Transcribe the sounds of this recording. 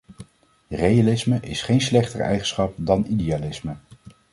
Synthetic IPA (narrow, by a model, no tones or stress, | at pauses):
rejalɪsməʔɪsχejnslɛχtərɛ̰jχənsχɑp̚dɑnidiaːlɪsmə